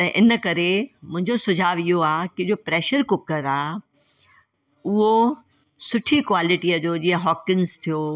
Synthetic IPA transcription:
t̪ɐ̃ʔɪnəkɐɾemʊ̃ɦɪ̃ɲd͡ʑosʊd͡ʑʱaːʋɪɦoaːkɪd͡ʑopɾɛːʃəɾkʊkəɾaː | ʊɦo | sʊʈʰikʋaːlɪʈiəd͡ʑoːd͡ʑĩːə̃ɦɔːkɪnzt̪ʰijo

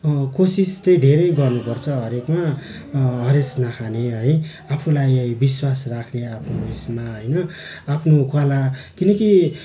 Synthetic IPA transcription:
kosist̪ʌj̃dʱeɾʌjɡʌrnupʌrt͡sʰʌɦʌɾekma | ɦʌɾesnakʰaneɦʌj | apʰulajbiswasrakʰneapʰnoismaɦʌjnʌ | apʰnokalakinʌki

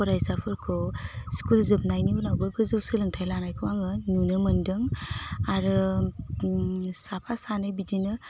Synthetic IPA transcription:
kɔɾajsapʰɯɾkʰɔskulzɯp̚najniunawbɯɡɯzɯwsɯlɯŋtʰajlanajkʰɯwaŋɯnunɯmɯndɯŋaɾɯ | sapʰasanɯjbidinɯ

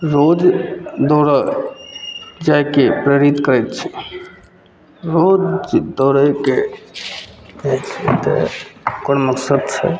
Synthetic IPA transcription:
ɾod͡ʒd̪ɔːɾə | d͡ʒajkepɾəɾit̪kəɾɛt̪t͡ʃʰɛ̥ | ɾod͡ʒd̪ɔɾəke | at͡ʃʰɛt̪ə̰konməksəd̪̚t͡ʃʰɛ̰

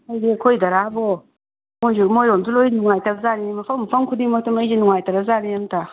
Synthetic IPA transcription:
ɔjzekʰojdaɾabɔ | mojzumojɔmzulojnuŋajtaɾazanimafʰampʰaŋkʰudimatɯmajzenuŋajtaɾazaniamtʰa

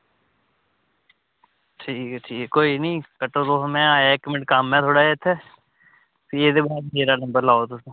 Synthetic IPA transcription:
ʈʰiːkɛʈʰiːkɛkoːinĩːkəʈot̪oːmɛ̃aːeekmʈkaːmːɛ̃t̪ʰoːɽaet̪ʰːɛː | sied̪ebaːd̪meːɾanɐ̃mbəɾlaːot̪ʊsõ

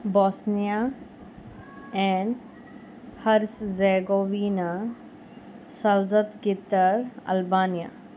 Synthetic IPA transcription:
bɔːsnija | ɛ̃ːn | hɐɾszeɡoːʋiːna | sɐlzət̪ɡɪt̪ːəɾɐ̰lbaːnija̰

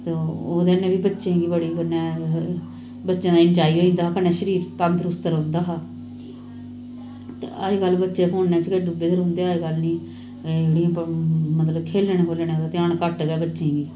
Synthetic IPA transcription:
t̪eoːd̪eːnẽːbiːbətːʃẽːɡiːbəɽiːkənɛː | bətːʃãːd̪aːɪɳd͡ʒaːiːoːĩnd̪aːkənɛːʃəɾiːɾt̪amt̪ʰɾʊst̪əɾõːnd̪aːɦaː | t̪eaːeːɡəlːbətːʃeːpʰoːnːɛ̃ːt͡ʃkeɖubeːd̪əɾũːnd̪eːaːeɡəlnĩː | eːɽijãːpmət̪ləbkʰeːlːenẽːkʰoːleːneod̪aːt̪ɪjãːnkəʈɡɛːbətːʃẽːɡiː

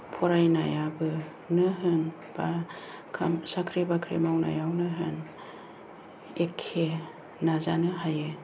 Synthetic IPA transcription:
pʰɔɾajnajabɯ | nɯɦɯn | b̥akʰa̰msakʰɾibakʰɾḛmawna̰jawnɯɦɯ̰n | ekʰːe | nazanɯɦajɯ

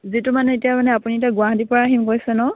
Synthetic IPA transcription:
zitumanɛetijamanɛapuniɛtaɡʊaɦdipɔɹaːɦimkojsɛnɔ

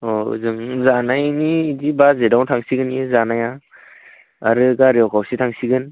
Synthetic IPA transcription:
oɯ̰zɯŋzanajnidibazedawtʰaŋsiɡɯnjezanaja | aɾɯɡaɾiɔwkʰawsitʰaŋsiɡɯn

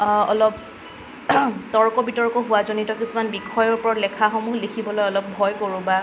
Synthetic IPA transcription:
ɔlɔp̚ | tɔɹkɔbitɔɹkɔɦʊwazonitɔkisumanbikʰɔjɔɹpɔɹɔlɛkʰaxomuɦlekʰibɔlojɔlɔp̚bʱɔjkoɹũba

